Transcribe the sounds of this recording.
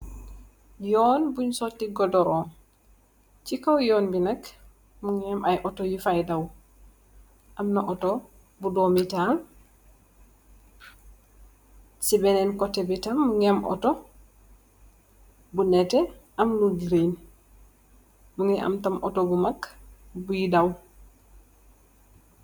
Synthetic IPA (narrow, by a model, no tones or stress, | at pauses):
jɔːnbuɲsɔtːiɡɔdɔɾɔːn | t͡ʃikawjɔːnbinɐk | muŋɛmʔajʔɔtojufajdaw | ʔamnaʔɔtɔ | budomitan | sibɛnɛnkɔtːɛbitamːuŋɛmʔɔ̰to | bunɛtɛʔamnuɡiɾen | muŋɛʔa̰mtamʔɔtobumakːbujidaw